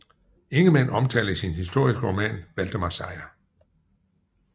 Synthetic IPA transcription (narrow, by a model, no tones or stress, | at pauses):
e̝ŋəmen̰ɒ̽mt͡sʰɛ̰ːldəisinhis̬d̥o̝ɐ̰isɡ̥əʁomɛ̰ːnʋæld̥əmɑ̈sɑ̈ɪ̰ɐ